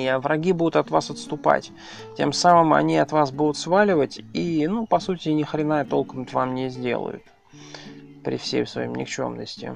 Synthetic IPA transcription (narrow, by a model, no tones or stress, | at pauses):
ɐvɾɐɡʲibud̪ʊt̪ɐt̪vasɐt̪st̪ʊpa̰tʲ | tʲe̞msamɨmɐ̰nʲiɐt̪vasbud̪ʊt̪svalʲɪvətʲinupɐsutʲɪnʲɪxɾʲɪnajət̪o̞lˠkəmt̪ʲvamnʲɪzʲdʲe̞̰lˠə̰jʊ̰t̪ | pɾʲɪ̰fsʲḛjsvɐ̰jḭmnʲɪ̰kt͡ɕo̞̰mnəsʲtʲɪ̰